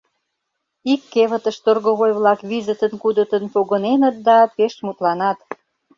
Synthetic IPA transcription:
ikːeβə̆t̪ə̆ʃt̪orɣoɣojβlɑkβizət̪ənkud̪ət̪ənpoɣə̆nenət̪̚d̪ɑpeʃmut̪lɑnɑt̪

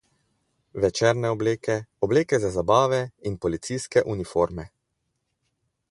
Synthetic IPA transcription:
ʋɛt͡ʃɛɾnɛɔbleːkɛɔbleːkɛzazabaːʋɛinpɔlit̪sijskɛʔunifoɾmɛ

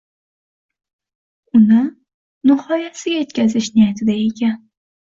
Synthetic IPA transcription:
ʊnɪ | nɪhɒjasɪɡʲaje̞t̪kʲazɪʃnɪjat̪ʰɪd̪aekʲʰan

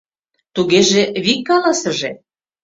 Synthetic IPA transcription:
t̪uɣeʒeβikːɑlɑsə̆ʒe

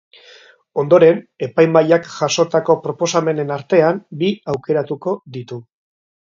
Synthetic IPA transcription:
o̞nd̪o̞ɾe̞ne̞pajmaʎakʝaso̞t̪ako̞pɾo̞po̞same̞ne̞naɾt̪e̞ambiawke̞ɾat̪uko̞ðit̪u

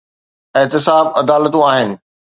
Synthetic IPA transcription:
ɪɦt̪ɪsaːbɐd̪aːlət̪ũaːɦɪnɪ̆

